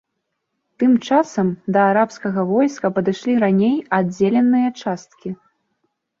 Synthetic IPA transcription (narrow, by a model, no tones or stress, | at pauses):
t̪ɨmt͡ʂasɐmd̪ɐaɾapskɐɣɐvɔjskɐpɐd̪ɨʂlʲiɾanʲejad͡zʲelʲɛnːɨjɐt͡ʂast̪kʲi